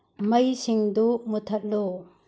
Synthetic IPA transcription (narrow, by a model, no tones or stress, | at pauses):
mɐjsiŋdumutʰɐt̚lo